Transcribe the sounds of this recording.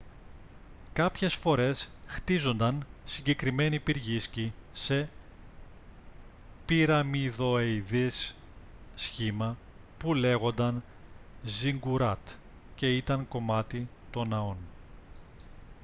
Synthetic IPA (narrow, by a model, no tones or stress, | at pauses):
kɐpçe̞sfo̞ɾe̞sxt̪izo̞nd̪ɐnsiɲɟe̞kɾime̞nipiɾʝiscise̞ | piɾɐmiðo̞ejðisː | çimɐ | pule̞ɣo̞nd̪ɐn | ziŋɡuɾɐt̪ | ce̞it̪ɐŋko̞mɐt̪it̪o̞nɐo̞n